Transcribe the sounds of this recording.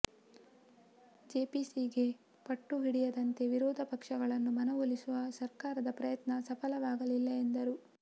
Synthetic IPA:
d͡ʒeːpisiɡe̞ | pɐʈːuɦiɽijɐd̪ɐnt̪e̞ʋiɾɔːd̪ʱɐpɐkʂɐɡɐɭɐnːumɐnɐʋolisuʋɐsɐɾkaːɾɐd̪ɐpɾɐjɐt̪nɐsɐpʰɐlɐʋaːɡɐlilːɐend̪ɐɾu

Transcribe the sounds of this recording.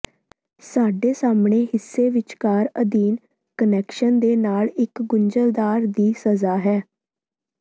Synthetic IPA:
saːɖeːsaːmɳeːɦɪsːeːʋɪt͡ʃkaːɾəd̪iːn | kənɛːkʃənd̪eːnaːlɪkɡʊɲd͡ʒəld̪aːɾd̪iːsəzaːɦɛː

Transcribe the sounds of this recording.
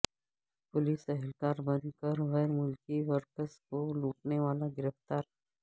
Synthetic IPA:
pʊliːsɛɦɪlkaːɾbɐ̃nd̪kəɾɣɛːɾmʊlkiʋəɾpəskoluːʈneʋaːlaɡɪɾəft̪aːɾ

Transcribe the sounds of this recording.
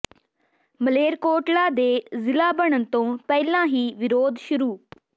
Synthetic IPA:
məleːɾkoːʈlaːd̪eːzɪlaːbəɳənt̪õːpɛːlãːɦiːʋɪɾoːd̪ʃʊɾuː

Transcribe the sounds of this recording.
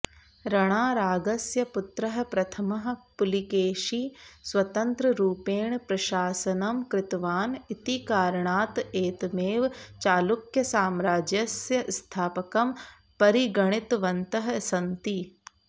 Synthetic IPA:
ɾɐɽ̃aːɾaːɡɐsjɐpʊt̪ɾɐɦɐ̆pɾɐt̪ʰɐmɐɦɐ̆pʊlikeːʃiswɐt̪ɐnt̪ɾɐɾuːpeːɳpɾɐʃaːsɐnɐmkɾɪt̪ʋaːnit̪ikaːɾɐɳaːt̪eːt̪meːʋt͡ʃaːlukjɐsaːmɾaːd͡ʒjɐsjɐst̪ʰaːpɐkɐm | pɐɾiɡɐɳ̃ɪt̪ʋɐnt̪ɐɦɐsɐnt̪i

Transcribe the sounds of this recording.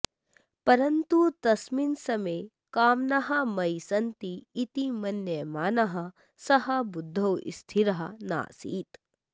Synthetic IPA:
pɐɾɐnt̪ut̪ɐsminsɐmeː | kaːmnɐɦɐmɐjsɐnt̪iːt̪imɐnjɐjmaːnɐɦɐ | sɐɦɐbud̪ʱːɐwḭst̪ʰiɾɐɦɐna̰ːsḭːt̪

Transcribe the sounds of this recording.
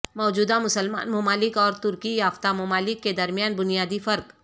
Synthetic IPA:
mɔːd͡ʒuːd̪amʊsəlma̰ːnmʊmaːlɪkɔːɾt̪ʊɾkijaːft̪amʊmaːlɪkːed̪ɐɾmijaːnbʊnijaːd̪ifɐɾk

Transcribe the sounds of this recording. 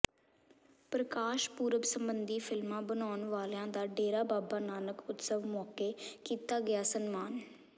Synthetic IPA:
pɾəkaːʃpuːɾəbsəmbənd̪iːpʰɪlmãːbənaːʊnʋaːlãːd̪aːɖeːɾaːbaːbaːnaːnəkʊt̪səʋmɔːkeːkiːt̪aːɡɪjaːsənmaːn

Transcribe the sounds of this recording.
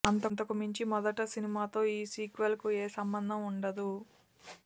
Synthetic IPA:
ɐnt̪ɐnt̪ɐkumiɲt͡ʃimɔd̪ɐʈɐsinimaːt̪o̞ːiːsiːkʋɐlkueːsɐmbɐnd̪ʱɐmuɳɖɐd̪u

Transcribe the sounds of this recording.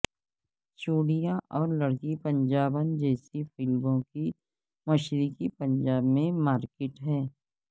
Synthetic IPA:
t͡ʃuːɽijãʔɔːɾlɐɽkipə̃nd͡ʒaːbənd͡ʒɛːsifɪlbõki | mɐʃɾɪkipə̃nd͡ʒaːbmẽmaːɾkɪʈɦɛː

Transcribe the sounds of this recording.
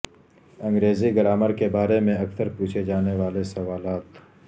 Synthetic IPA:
ɐ̃ŋɡɾeːziɡɐɾaːməɾkebaːɾemẽɐksəɾpuːt͡ʃʰed͡ʒaːneʋaːlesɐʋaːlaːt̪

